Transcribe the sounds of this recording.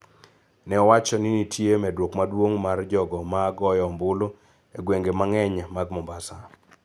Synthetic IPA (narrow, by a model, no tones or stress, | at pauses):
nɛɔwat͡ʃɔnɪnitʰjemɛdwokmadwoŋmard͡ʒɔɡɔmaːɡɔjɔmbʊlo | eɡweŋɡemaŋɛɲamaɡmɔmbasa